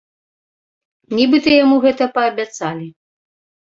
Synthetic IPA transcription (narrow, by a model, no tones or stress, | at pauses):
nʲibɨt̪ɐjamuɣɛt̪ɐpɐːbʲat̪salʲi